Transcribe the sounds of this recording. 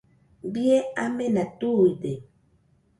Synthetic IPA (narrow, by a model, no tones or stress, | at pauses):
bieamɛnatude